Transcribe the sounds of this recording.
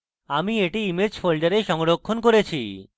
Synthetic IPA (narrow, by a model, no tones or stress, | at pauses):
amieʈiimed͡ʑfʰolɖaɾeʃɔŋɾokʰːonkoɾet͡ɕʰi